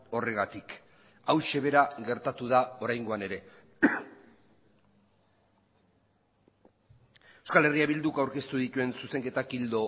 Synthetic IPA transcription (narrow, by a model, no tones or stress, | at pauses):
o̞reɣ̞at̪ik | awʃe̞βe̞ɾaɣe̞ɾt̪at̪uð̞ao̞ɾajŋɡo̞ane̞ɾe̞ | eskale̞riaβild̪ukawɾke̞st̪uð̞it̪ue̞nsuse̞ŋke̞t̪akild̪o̞